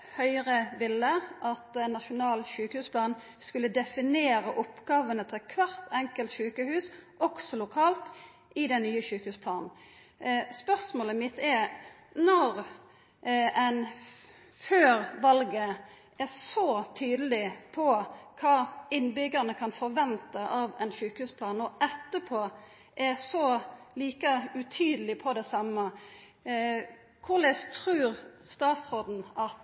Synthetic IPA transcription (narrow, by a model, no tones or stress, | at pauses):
hœʏʁəʋɪlːəʔɑt̪ɛnːɑʃʊnɑːlʃʉːkəhʉːspʰlɑːn | skʉlːəd̪ɛfɪneːɾəʔɔpɡɑːʋənət̪ʰɪlkʰʋɑʁt̪ʰɛŋkəlt̪ʃʉːkəhʉːsʔɔɡ̥sɔlʊkʰɑːlt̪ | ɪd̪ɛnnːyːəʃʉːkəhʉːspʰlɑːnn̩ | spœʁsmoːləmɪt̪ɛɾ | nɔʁ | ɛɪn | føːʁʋɑlɡə | ɛsɔt̪ʰyːd̪əlɪpʰɔkʰɑːɪnːbʏɡːəʁnəkʰɑnfɔʁʋɛnt̪əʔɑʋɛnʃʉːkhʉːspʰlɑːnɔʔɛt̪ːəpʰoː | ʔɛsɔliːkəʉt̪ʰyːd̪əlɪpʰɔd̪ɛsɑmːə | kʰʊʁlɛst̪ʰɾʉːʁst̪ɑːt̪sʁod̪n̩ɑt̪